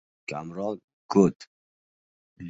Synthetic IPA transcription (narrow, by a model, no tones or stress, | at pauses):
kʲʰamɾɒlˠ | kʰɵt̪ | l